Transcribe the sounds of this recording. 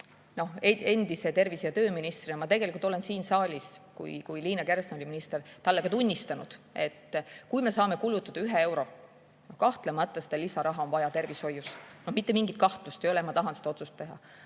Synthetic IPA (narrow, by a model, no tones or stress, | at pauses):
no̞hee̞nd̪̥ise̞t̪e̞rvisejɑt̪ø̞ːminist̪rinɑmɑt̪e̞ɡelikult̪o̞le̞nsiːnsɑːlʲiskṵjkujliːnɑke̞rsnoliminist̪ert̪ɑlːekɑt̪unʲːist̪ɑnud̪̥e̞t̪ːkujme̞sɑːme̞kulut̪ːˑɑd̥̪ɑyɦee̞wɾo̞ | nohkɑht̪lemɑt̪ːˑɑse̥d̪ɑlisɑɾɑɦɑo̞nvɑjɑt̪e̞rvisho̞jːusno̞hmit̪ˑːe̞miŋɡit̪̚kɑht̪lust̪ejo̞lemɑt̪ɑɦɑnse̥d̪ɑo̞t̪sust̪ːe̞ɦɑ̰